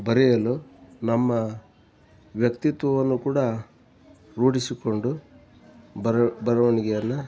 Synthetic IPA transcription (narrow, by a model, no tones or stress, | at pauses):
bɐɾɛjɐlunɐmːɐ | ʋjɐkt̪it̪ʋɐʋɐnːukuːɽɐ | ɾuːɽisiko̞ɳɖu | bɐɾɐʋɐniɡɛjɐnːɐ